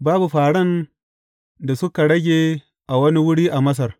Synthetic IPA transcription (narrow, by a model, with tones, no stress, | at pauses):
baː˦bu˨ɸaː˨ɽɐ˦n | da˨sʊ˦ka˨ɽɐ˦ɡʲeː˨ | ʔa˨wɐ˦ni˦wʊ˦ɽiː˦ʔa˨mɐ˦s̬ɐ˨r